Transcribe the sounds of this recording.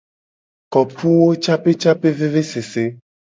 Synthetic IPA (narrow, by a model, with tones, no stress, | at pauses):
kɔ˨pu˦wo˦t͡ʃa˦pe˦t͡ʃa˦pe˦ve˦ve˦se˨se˦